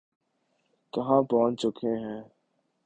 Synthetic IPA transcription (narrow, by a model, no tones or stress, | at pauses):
t̪əɦãːpɔːnt͡ʃʊkʰẽːɦɛ̃ː